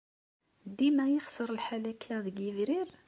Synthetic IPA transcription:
d̪imæjəχsəɾˤəlħalækʰæðəɡəvɾiɾ

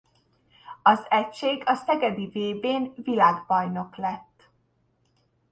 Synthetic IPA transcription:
ɒzɛcʃeːɡɒsɛɡɛd̪iveːbeːnvilaːɡbɒjno̞klɛt̪ː

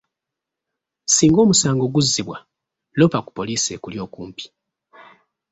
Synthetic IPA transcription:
siːŋɡo̞ːmusaːŋɡo̞ɡuzːiβwa | lo̞paku̥po̞liːsḛkuljo̞ːkuːmpi̥

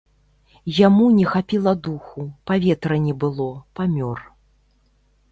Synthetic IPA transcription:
jamunʲɛxapʲilˠɐd̪uxupavʲɛt̪ɾɐnʲɛbɨlˠɔpamʲɔr

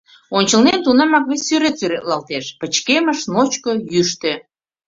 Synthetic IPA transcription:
onʲt͡ɕəlnent̪unemɑkβesʲːyɾet̪syɾet̪lɑlt̪eʃpə̆t͡ɕkeməʃnot͡ɕkojyʃt̪ø̆

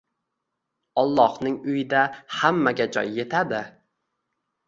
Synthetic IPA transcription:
ɒlˠːɒhnɪŋʊjɪd̪ahamːaɡʲad͡ʒɒ̰jːe̞t̪ʰad̪ɪ

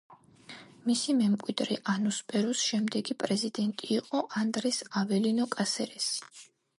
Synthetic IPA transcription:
misimɛmkʼwid̪ɾɛʔanuspʼɛɾusʃɛmd̪ɛɡipʼɾɛzid̪ɛnt̪ʼiːqʼɔʔand̪ɾɛsavɛlinɔkʼasɛɾɛs

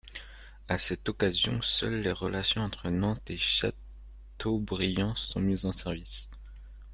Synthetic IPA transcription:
asɛt̪ɔkazjɔ̰̃sœ̰lːeʁəlasjɔ̃ɑ̃t̪χənɑ̃t̪eʃa̰ | tt̪ʰobʁijɑ̃sɔ̰̃mizɑ̃sɛʁvis

